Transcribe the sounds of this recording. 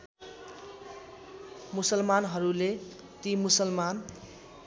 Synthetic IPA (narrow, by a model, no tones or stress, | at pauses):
musʌlmanɦʌɾule | t̪imusʌlman